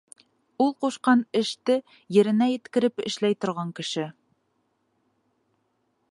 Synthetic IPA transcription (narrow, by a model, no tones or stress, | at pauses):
ulˠquʃqɑnɘ̆ʃt̪ɘ | jɘ̆ɾɘ̆næjɘ̆t̪kɘ̆ɾɘpɘ̰̆ʃlæjt̪ŏɾʁɑŋkɘ̆ʃɘ